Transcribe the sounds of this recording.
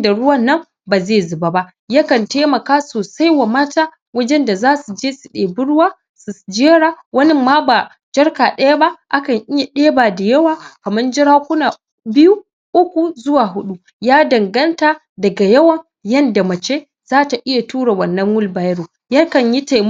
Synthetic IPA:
da˨ɽʊ˦wɐ˦nːɐ˦m | baː˨zeː˦˨zʊ˨ba˦ba˦ | ja˦kɐ˨nteː˦mɐ˨kaː˦soː˨sa˦jwa˨maː˦taː˦ | wɐ˦d͡ʒɛ˦nda˨zaː˦su˨d͡ʒeː˦sɪ˨ɗeː˨bʊ˦ɽwaː˦ | sʊ˨sd͡ʒeː˦ɾa˨˦wɐ˦nɪ˦mːaː˦ba˨ | d͡ʒɐ˦ɽka˨ɗɐ˦ja˦ba˦ʔa˦kɐ˨ɲʔɪ˦ja˨ɗeː˦baː˨da˨jɐ˦waː˦˨kɐ˨mɐ˦nd͡ʒɪ˦ɾaː˦kʷʊ˦naː˨ | bɪ˦ju˦ | ʔʊ˦kʷu˨zʊ˦waː˨ɦʊ˦ɗu˦ | jaː˦dɐ˨ŋɡɐ˦ntaː˨ | dɐ˨ɡa˨jɐ˦wɐ˨ŋ | jɐ˦nda˨mɐ˨t͡ʃeː˦ | z̥aː˦ta˨ʔɪ˦ja˨tuː˦ɽe˨wɐ˨nːɐ˦ŋwʊ˦lbaː˨jɽoː˨ | ja˦kɐ˨ɲji˦ta˨m

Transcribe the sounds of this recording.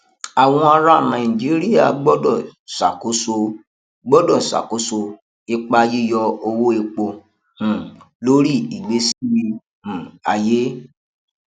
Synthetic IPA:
a˨w̃ɔ̃˧a˧ɾa˦˨nã˨ĩ˨d͡ʒi˨˦ɾi˦ja̰˦˨ɡ͡bɔ˦dɔ˦˨sa̰˨ko˨˦so˧ | ɡ͡bɔ˦dɔ˦˨sa̰˨ko˨˦so˧ | e˧k͡pa˧ji˦jɔ˧o˧wo˦e˧k͡põ˧˨ | lo˦ɾi˦˨i˨ɡ͡be˨˦si˦˨ji˧ | ũ˨a̰˨je˦

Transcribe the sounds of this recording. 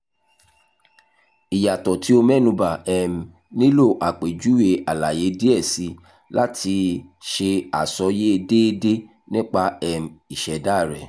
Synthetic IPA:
i˨ja˨tɔ˨ti˨˦o˧mɛ˦˨nũ˧ba˨ɛ˧˨m̩˨ | nĩ˦lo˦˨ʔa˨k͡pe˨d͡ʒu˨˦we˧ʔa˨la˨je˨˦de˦ɛ˦˨si˧˦ | la˦tʰi˧ʃe˧a˨sɔ˨˦je˦e˧de˦e˧de˦ | nĩ˦k͡pa˧ɛ˧m̩˨i˨ʃɛ˨da˦˨ɾɛ̰˨

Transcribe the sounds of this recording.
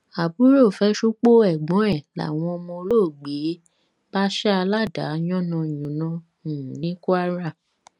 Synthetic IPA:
a˨bu˨˦ɾo˦˨fɛ˦ʃu˦k͡po˦ɛ˨ɡ͡bɔ̃˨˦ɛ˦˨la̰˨w̃ɔ̃˧ɔ˧mɔ̃˧lo˦˨ɡ͡be˨˦ | b̥a˦ʃa˦a˧la˦˨da˨˦jɔ̃˦nɔ̃˧˨jũ˨nã˧ | ũ˨nĩ˨˦ku˦a˦ɾa˦˨

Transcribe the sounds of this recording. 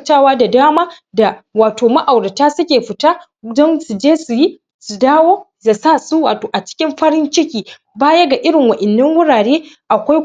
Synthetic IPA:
taː˦waː˦da˨daː˦maː˦ | da˨waː˨toː˨ma˦ʔa˨wɽɐ˨taː˦sʊ˦kʲeː˨ɸɪ˨taː˦ | dɔ˦nsu˨d͡ʒeː˦su˨ji˦ | su˨daː˦woː˦za˨sa˦˨su˦waː˨toː˨ʔa˨t͡ʃɪ̥˦kʲɪ˦mɸɐ˦ɽɪ˦nt͡ʃɪ˦kʲiː˨ | baː˦jɐ˦ɡa˨ʔɪ˦ɽɪ˨ŋwɐ˨ʔɪ˨nːɐ˦ŋwʊ˦ɽaː˨ɽeː˦ʔa˨kʷa˦j

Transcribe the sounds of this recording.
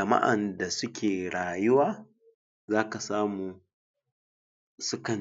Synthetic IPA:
ɐ˨ma̰˦ʔa̰˨nda˨sʊ˦kʲʰeː˨ɽaː˨jʊ˦waː˦ | zaː˦ka˨saː˦muː˨ | sʊ˦kɐ˨n

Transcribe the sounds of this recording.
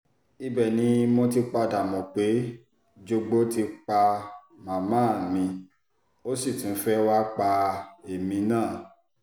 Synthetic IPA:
i˧bɛ˦˨nĩ˨˦mo˧t̬i˧k͡pa˧da˨mɔ̃˨k͡pe˨˦ | d͡ʒo˧ɡ͡bo˦ti˧k͡pa˧ | mã˨mãː˦˨mĩ˧ | o˦si˦˨tĩ˨˦fɛ˦wa˦k͡pa˧e˨mĩ˧nãː˦˨

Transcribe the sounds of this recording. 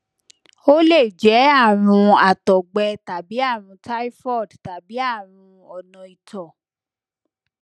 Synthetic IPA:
o˦le˦˨d͡ʒɛ˨˦a˦˨ɾ̃ũ˧a˨tɔ˨ɡ͡bɛ˧ta˨bi˨˦a˦˨ɾ̃ũ˧ta˦i˦fɔ˦˨dta˨bi˨˦a˦˨ɾ̃ũ˧ | ɔ˨nɔ̃˨i˨tʰɔ˨

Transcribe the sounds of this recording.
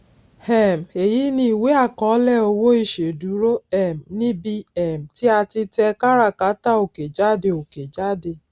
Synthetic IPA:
hɛ˨m̩˨e˨ji˦nĩ˦i˨we˦a˦˨kɔ˨˦lɛ˦˨o˧wo˦i˦˨ʃe˨du˨˦ɾo˦ɛ˨m̩˨nĩ˦bi˧ɛ˨m̩˨ti˦a˧ti˧tɛ˧ka˦ɾa˧˨ka˨˦ta˦o˨ke˨d͡ʒa˦˨de˧o˨ke˨d͡ʒa˦de˧˨

